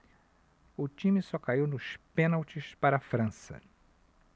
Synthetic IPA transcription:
ʊt͡ʃĩmɪsɔkaiwnʊʃpẽnawt͡ʃɪspaɾɐafɾɐ̃sɐ̰

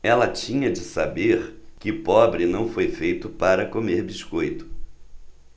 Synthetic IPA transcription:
ɛlɐt͡ʃĩɲɐd͡ʒɪsabeɾkɪʊpɔbɾɪnɐ̃w̃fojfejt̪ʊpaɾɐkomeɾbiskojt̪ʊ̥

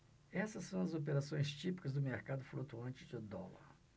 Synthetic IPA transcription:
ɛsɐsːɐ̃w̃ɐzop̬eɾasõj̃st͡ʃipi̥kɐzd̪ʊmeɾkad̪ʊflot̪uɐ̃t͡ʃɪd͡ʒʊd̪ɔlɐ̰ɾ

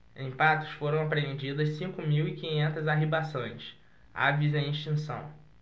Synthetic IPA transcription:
ẽj̃pat̪ʊ̥sfoɾɐ̃w̃apɾeẽnd͡ʒid̪ɐssĩkʊmiwikĩɲẽnt̪ɐzaɦebasõj̃s | a̰vizẽj̃ĩʃt͡ʃĩsɐ̰̃w̃

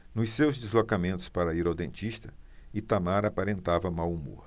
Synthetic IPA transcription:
nʊssewzd͡ʒ̪izlokamẽnt̪ʊ̥spaɾɐiɾod̪ẽnt͡ʃiʃt̪ɐɪt̪amaɾapaɾẽnt̪avɐmawumo̰ɾ

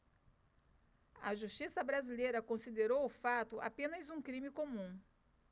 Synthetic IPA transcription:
ɐ̰ʒuʃt͡ʃisɐbɾazilejɾɐkõsid̪eɾowʊfat̪ʊʔa̰pẽnɐzũkɾĩmɪkomũ

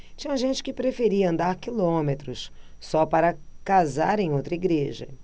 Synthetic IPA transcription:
t͡ʃĩɲɐʒẽnt͡ʃɪ̥kɪpɾefeɾiɐɐ̃nd̪aɾkilõmet̪ɾʊssɔpaɾɐkazaɾẽj̃owt̪ɾɐiɡɾeʒɐ̰

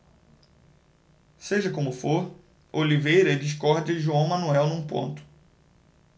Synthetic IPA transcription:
seʒɐkõmʊfoɾ | olivejɾɐd͡ʒiʃ̬kɔɾd̪ɪʒuɐ̃w̃mɐ̃nuɛwnũpõ̰nt̪ʊ̥

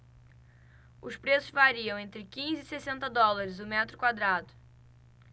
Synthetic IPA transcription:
ʊspɾesʊzvaɾiɐ̃w̃ẽnt̪ɾɪkĩzɪːsesẽnt̪ɐd̪ɔlaɾɪzʊmɛt̪ɾʊkwad̪ɾad̪ʊ

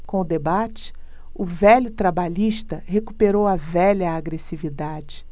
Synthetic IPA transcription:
kõʊd̪ebat͡ʃɪ̥ | ʊvɛʎʊt̪ɾabaʎiʃt̪ɐheku̥peɾowɐvɛʎɐaɡɾesivid̪ad͡ʒɪ̥

